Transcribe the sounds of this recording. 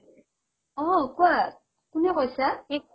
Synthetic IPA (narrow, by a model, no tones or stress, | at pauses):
ɔkwa | kunɛɣɔsae